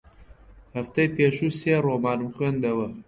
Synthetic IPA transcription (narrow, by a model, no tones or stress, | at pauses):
hɐft̪ɐjpʰeːʃuːseːɾomɑːɾɨmxwend̪ɐwɐ